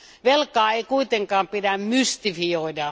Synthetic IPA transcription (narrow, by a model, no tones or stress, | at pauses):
ʋelkɑːeikuit̪eŋkɑːmpidæmmyst̪ifioidɑ